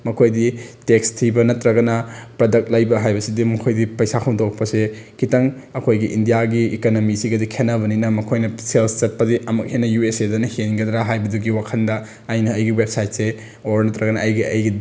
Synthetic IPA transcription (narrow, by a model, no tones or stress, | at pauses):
mɐkʰojditekstʰibɐnɐtɾɐɡɐnɐpɾɐdɐk̚t̚lajbɐɦajbɐsidimɐkʰojdipɐjsakʰɐwdowk̚pɐsekʰitɐŋ | ɐkʰojɡiʔindijaɡiikonomisiɡɐdikʰenːɐβɐninɐmɐkʰojnɐselpʰt͡ʃɐt̚pɐdiɐmɐk̚henːɐjuesedɐnɐhenɡɐdɾaɦajbɐduɡiwakʰɐndɐː | jnɐːjɡiwebsajt̚se | oɾnɐtɾɐɡɐnɐːjɡiɐ̰jɡi